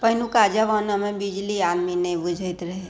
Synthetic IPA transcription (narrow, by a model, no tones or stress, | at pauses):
pɐɦnukaːd͡ʒaʋanɐmẽbid͡ʒliaːd̪minebʊd͡ʒʱət̪ɾɐɦe